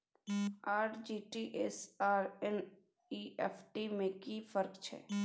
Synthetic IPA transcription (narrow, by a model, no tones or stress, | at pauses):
aːʈd͡ʒiːʈiːʔesaːɾɛn | iʔepʰʈiːmẽkiːfəɾkt͡ʃʰɛ̰ː